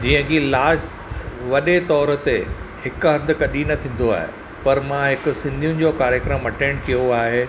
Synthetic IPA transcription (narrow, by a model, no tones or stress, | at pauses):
d͡ʑiːə̃kilaːʃ | ʋɐɗet̪ɔːɾə̆t̪ehɪkʊɦɐ̃nd̪ʱɪ̆kɐɗinɐt̪ʰĩːn̆d̪oa̰ːɦḛ | pɐɾmãɦɪkʊ̆sɪ̃nd̪ʱijʊ̃nɪ̆d͡ʑokaːɾjəkɾəmɐʈẽːɳɖkijoaːɦe